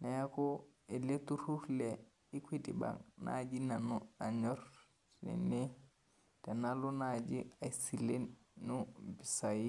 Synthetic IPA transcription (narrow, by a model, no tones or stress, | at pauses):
najakoeletuɾuɾle | ikwidḭba̰ŋnʔa̰d͡ʒinanuaɲɔɾ | nḛne | tanalunad͡ʒiasilenːubisaji